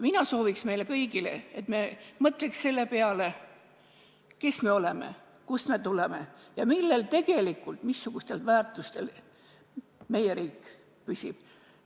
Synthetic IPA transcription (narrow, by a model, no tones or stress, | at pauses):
minɑso̞ːviksme̞jlekɤjɡile̞̰et̪memɤt̪ˑleksse̞lːe̞peɑle̞ | ke̞sme̞o̞lemḛ | kusme̞t̪uleme̞jɑmilːe̞lt̪e̞ɡ̥e̞likːˑult̪misːuɡ̥ust̪e̞lvæːrt̪ˑust̪e̞l | me̞je̞ɾiːkːˑ | pysʲib̥